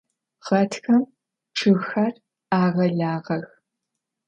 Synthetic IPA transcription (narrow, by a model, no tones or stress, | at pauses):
ʁ̥ɐtʰxɐm | ʈ͡ʂʰɨɣxɐr | aːʁɐɮaːʁɐx